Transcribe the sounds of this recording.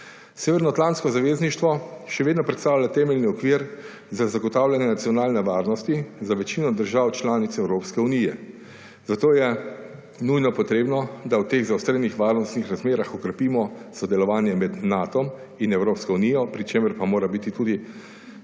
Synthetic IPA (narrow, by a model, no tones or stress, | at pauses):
seːʋɛɾnɔat̪lant̪skɔzaʋeːzniʃt̪ʋɔʃɛʋeːd̪nɔpɾɛt̪st̪aːwlʲjat̪ɛːmɛlniɔkʋiːɾ | zazaɡɔt̪aːwlʲjanjɛnat̪siɔnaːlnɛʋaːɾnɔst̪izaʋɛt͡ʃiːnɔd̪əɾʒawt͡ʃlaːnit̪sɛwɾoːpskɛunijɛ | z̥at̪oːjɛ | nujnɔpɔt̪ɾeːbnɔd̪awt̪eːɣzawst̪ɾejnixʋaɾnɔst̪nixɾazmeːɾaxɔkɾɛpiːmɔsɔd̪ɛlɔʋaːnjɛmɛd̪nat̪ɔm | inɛwɾopskɔuniːjɔpɾit͡ʃeːməɾpamoːɾabit̪it̪uːd̪i